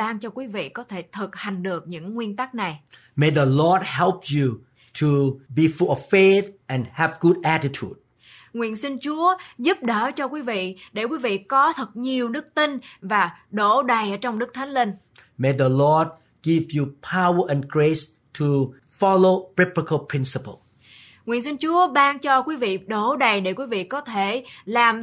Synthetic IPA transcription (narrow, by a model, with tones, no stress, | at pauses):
aː˧ŋt͡ɕɔ˧kwi˨˦vḭ˧˨kɔ˨˦t̪ʰe˧˩t̪ʰɨ˨˩t̚ha˨˩jŋ̟ɗɨ˨˩ək̚ɲɨ̰˧˥ŋːwi˧ənt̪a˦˥k̚na˨˩j | me˨d̪əlɔd̚hɛ˦lpʰju | tʰubi˨fulɔvfet̪ʔɛ̃nhɛvɡu˦d̚ʔætitʰṵd̚ | ŋwḭ˧˨ənsï˧ŋt͡ɕu˨˦əzu˦˥p̚ɗəː˧˩t͡ɕɔ˧kwi˨˦vḭ˧˨ɗe˧˩kwi˨˦vḭ˧˨kɔ˨˦t̪ʰɨ˨˩t̚ɲi˨˩əwɗɨ˦˥k̚t̪ï˧nvaː˨˩ɗo˧˩ɗa˨˩jʔəː˧˩t͡ɕɔ˧wŋ͡mɗɨ˦˥k̚t̪ʰa˨˦jŋ̟lï˧ŋ | me˨d̪əlɔd̚ | ɡ̥ivjupʰawəʔɛ̃nɡɹes | tʰu | fɔlobɹɪpɹəkʰəlpʰɹ̥ɪ̃nsəpə̰lˠ | ŋḭ˧˨ənsï˧ŋt͡ɕu˨˦əɓaː˧ŋt͡ɕɔ˧kwi˨˦vḭ˧˨ɗo˧˩ɗa˨˩jɗe˧˩kwi˨˦vḭ˧˨kɔ˨˦t̪ʰe˧˩laː˨˩m